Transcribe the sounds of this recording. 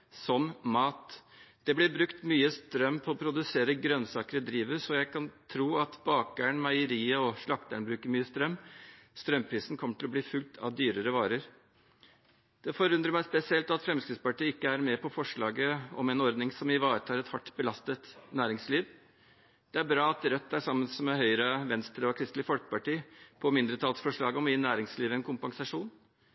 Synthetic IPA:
sɔmmɑːt̪d̪̥ɛblɪɾbɾʉkt̪myːəst̪ɾœmːpʰɔɔpʰɾʊd̪ʉseːɾəɡɾœnsɑːkəɾəd̪ɾiːʋəsɔjæɪkʰɑnt̪ʰɾuːɑt̪bɑːk̚ɡæːɳmɑɪəɾiːəɔʂɭɑkt̪əɳbɾʉːkəɾmyːəst̪ɾœmːst̪ɾœmpʰɾiːsnkʰɔmːəʈʰɪlɔbliːfʉlt̪ʰɑ̰ʋd̪yːɾəɾəʋɑːɾəɾ | d̪̥ɛfɔɾʉnd̪ɾəmæɪspɛsɪɛlt̪ɑt̪fɾɛmskɾɪd̪spɑʈiːɪkːəæɾmɛpʰɔfɔʂɭɑːɡəɔmɛnɔɾd̪nɪŋsɔmɪʋɑːɾət̪ʰɑːlɛt̪hɑʈːbəlɑst̪ət̪næːɾɪŋsliːʋ | d̪̥ɛæɾbɾɑːɑt̪ɾœt̪ːæʂɑmːənsmɛɦœʏɾəʋɛnst̪ɾəɔkʰɾɪst̪lɪfɔlkəpɑʈiːpʰɔmɪnd̪ɾət̪ʰɑlsfɔʂɭɑːɡɔmɪnæːɾɪŋsliːʋəɛnkʰʊmpɑŋsɑʂuːn

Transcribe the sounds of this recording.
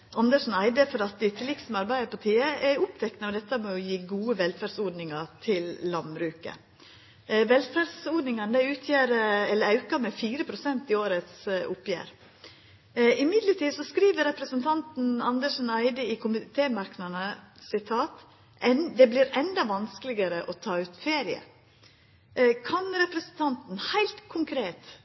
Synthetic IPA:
ʔɑnd̪əʂn̩æɪd̪əfɔɾɑt̪̚d̪ɪt̪ʰɪlɪk̪smɑɾbæɪəpɔt̪ʰiːəʔɛʊpt̪ʰɛknəɔd̪ɛt̪ːəmojʊjiːɡuːəʋɛlfæɖsoːd̪nɪŋɑt̪ʰɪlːɑnbɾʉːkə̰ | ʋɛlfæɖsoːd̪nɪŋɑnd̪æɪʉːt̪ʰjæːɾəɛlːəɾɑʉkɑmɛfiːɾəpʰɾʊsɛnt̪ɪoːɾət̪sʊpjæ̰ːɾ | ɪmɪd̪ləʈiːsɔskɾiːʋəɾɛpɾəsənt̪ʰɑnt̪n̩ɑnd̪əʂn̩æɪd̪əɪkʰʊmɪt̪ʰeːmɑɾknɑnəsɪt̪ʰɑːt̪ | ɛnd̪ɛblɪɾɛnd̪ɑʋɑnskəlɪɡəɾəʔɔt̪ʰɑːʉːt̪feːɾɪə̰ | kʰɑnɾɛpɾəsən̩t̪ʰɑnt̪n̩hæɪlt̪kʰʊŋkʰɾeːt̪

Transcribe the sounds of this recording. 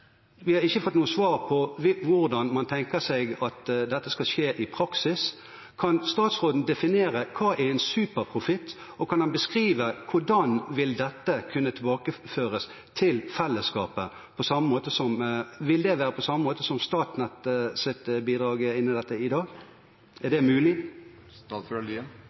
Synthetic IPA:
ʋɪhɑɾɪçəfɔt̪ːnuːəsʋɑːʁpʰɔʋʋʊɾd̪ɑnmɑnt̪ʰɛŋkəsɛɪɡɑt̪d̪ɛt̪ːəskɑlʃeːʔɪpʰɾɑksɪs | kʰɑnst̪ɑːt̪sʁoːd̪n̩d̪ɛfɪneːɾəkʰɑːʔæɾɛɪnsʉːpəʁpʰʁʊfɪt̪ː | ɔkʰɑnhɑnbəskʁiːʋəkʰʊɖɑnʋɪld̪ɛt̪ːəkʰʉnːət̪ʰɪlbɑːkəføːɾəs | t̪ʰɪlfɛlːəskɑːpə | pʰɔsɑmːəmoːt̪əsɔmʋɪld̪ɛʋæːʁəpʰɔsɑmːəmoːt̪əsɔmst̪ɑːt̪nɛt̪sɪt̪biːd̪ɾɑːɡəɪnːɪd̪ɛt̪ːəɪd̪ɑːɡ | ʔæd̪ɛmʉːlɪ

